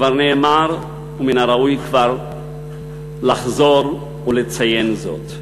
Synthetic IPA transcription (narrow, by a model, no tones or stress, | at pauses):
vaʁneːmaʁ | uminaɾaujkvaʁ | laχzo̞ɾ | ulet͡sajenzo̞̰t̪